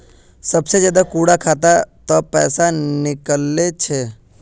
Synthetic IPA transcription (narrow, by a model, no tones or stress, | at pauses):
səbsed͡ʒəd̪akuːɽakʰaːt̪at̪ɔpɛːsanɪkəlːet͡ʃʰe